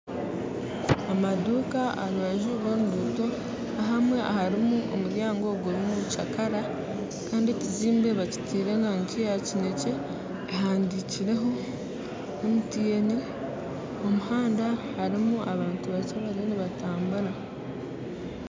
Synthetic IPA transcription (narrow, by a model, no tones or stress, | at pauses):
amaduːkaaɾuβaʒuβonuduːto̞ | naɦamwe̞ʔa̰haɾimuʔo̰muɾjaːŋɡo̞ɡoɾimut͡ʃakaɾa | kaːndieciziːmbe̞βaci̥tʰiɾe̞naŋkiacine̞ce̞ː | ɦaːndiciɾe̞ɦo̞ | omutijeni | omuhaːndahaɾimuʔaβaːntuβat͡ʃaβaɾeniβataːmbuɾa